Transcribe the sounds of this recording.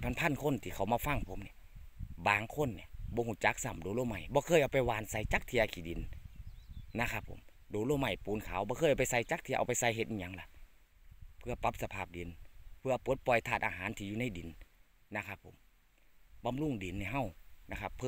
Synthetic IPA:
pʰa˧˨npʰa˧˥˨nkʰo˧˥˨nt̪ʰiː˧kʰa˨˩wmaː˧fa˧˩˨ŋpʰo˨˦mni˧˨ | baː˨˩ŋkʰo˧˥˨nːi˧˩bɔː˧˦ɦuː˧˩t͡ɕa˧˦k̚sa˧˩mdoː˨˦loː˧˨ma˧˩jbɔː˧˦kʰɤː˧˨jʔa˧wpa˧˨jwaː˨˧˦nsa˧˦jt͡ɕa˧˦k̚t̪ʰiː˧˥ʔa˧kʰiː˧˨di˨˦n | na˧˥kʰa˧pʰːo̰˨˦m | doː˨˦loː˧˨ma˧˩jpuː˨˦nkʰaː˨˦wbɔː˧kʰɤː˧˩jʔa˧˨wpa˨˩jsa˧˦jt͡ɕa˧˦k̚t̪ʰiː˧ʔa̰˧wpa˧˨jsa˧˦jɦe˧t̪̚ʔiː˧ɲa˧˦ŋla˧ | pʰɯ˧ɐpa˧˦˥p̚sa˧pʰaː˧˩p̚di˨˦npʰɯ˧ɐ˨˧pɯː˨˦t̪̚pɔ˨˩jt̪ʰaː˧˩t̪̚ʔa̰ː˧ɦaː˨˦nt̪ʰiː˧juː˧˦na˧˩˨jdi˨˦n | na˧˩kʰa˧˩pʰːo̰˨˦m | ba˧˨mlu˧˩˨ŋdi˨˦nːi˧˩ɦa˧˨wna˧kʰa˧pʰː

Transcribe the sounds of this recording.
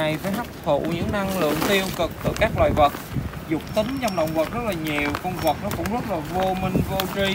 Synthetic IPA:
a˨˩jvəː˨˦jɦa˦˥p̚t̪ʰṵ˧˨ɲɨ̰˧˥ŋna˧ŋlɨ̰˧˨əŋt̪i˧əwkɨ˨˩k̚t̪ɨ̰˧˩kaː˦˥k̚lwa̰ː˧˨jvə˨˩t̚zʊ˨˩k͡p̚t̪ï˨˦ŋt͡ɕɔ˧wŋ͡mɗə̰˧˨wŋ͡mvə˨˩t̚zə˦˥laː˨˩ɲi˨˩əwkə˧wŋ͡mvə˨˩t̚nɔ˨˦˥kʊ̰˧˥wŋ͡mzə˦˥t̚laː˨˩vo˧mï˧ŋ̟vo˧t͡ɕi˧

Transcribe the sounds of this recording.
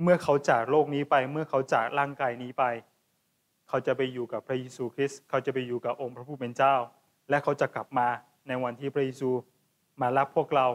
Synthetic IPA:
mɯ˥˩ɐkʰa˦˥wt͡ɕaː˨˩k̚loː˥˩k̚niː˦˥pa˧jmɯ˥˩ɐkʰa˦˥wt͡ɕaː˨˩k̚ɾaː˥˩ŋkaː˧jniː˦˥pa˧j | kʰa˦˥wt͡ɕa˨˩pa˧jːuː˨˩ka˨˩pʰɾa˦˥jeː˧suː˧kʰɾi˦˥skʰa˦˥˩wt͡ɕa˨˩pa˧jːuː˨˩kaː˨˩p̚ʔo˧ŋpʰɾa˦˥pʰuː˧˥˩pe˧nt͡ɕaː˥˩w | lɛ˦˥ʔkʰa˦˥wt͡ɕa˨˩kla˨˩p̚maː˧ | na˧jwa˧nt̪ʰiː˥˩pʰɾa˦˥jeː˧suː˧ | maː˧la˦˥pʰːu˥˩ək̚ɾa˧w

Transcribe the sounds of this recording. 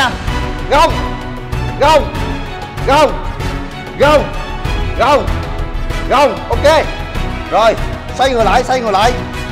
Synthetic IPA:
a˧ɣə˧˩wŋ͡m | ɣə˧˩wŋ͡m | ɣə˧˩wŋ͡m | ɣə˧˩wŋ͡m | ɣə˧˩wŋ͡m | ɣə˧˩wŋ͡mʔo˧wke˧ | zo˨˩j | sa˧jŋɨ˨˩jla̰ː˧˨jsa˧jŋɨ˨˩jla̰ː˧˨j

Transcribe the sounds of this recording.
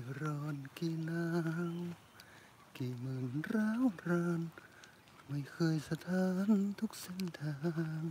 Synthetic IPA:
ɾɔː˧˩nki˧naː˧w | kiː˧˩mɯː˧˩nɾaː˧˥wɾaː˧˩n | ma˧˩jkʰɤː˧jsa˧t̪ʰaː˧˥nt̪ʰu˧˥k̚se˧˥nt̪ʰaː˧˨ŋ

